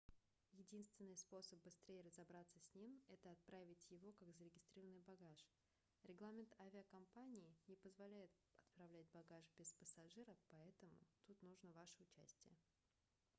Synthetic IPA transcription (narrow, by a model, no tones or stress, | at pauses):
jɪdʲinst̪vʲɪnːɨjspo̞səp̚bɨst̪ɾʲejɪɾəzɐbɾat̪sːəsʲnʲimɛt̪əɐt̪̚pɾʔavʲɪtʲjɪvo̞kaɡzəɾʲɪɡʲɪst̪ɾʲiɾəvənːɨjbɐɡaʂ | ɾʲɪɡlˠamʲɪnt̪avʲɪəkɐmpanʲɪɪnʲɪpəzvɐlʲæjɪt̪ | ɐt̪pɾɐvlʲætʲbɐɡaʂbʲɪspəsɐʐɨɾəpɐɛt̪əmʊ̰t̪ut̪nuʐnəvaʂəʊt͡ɕæ̰sʲtʲɪjə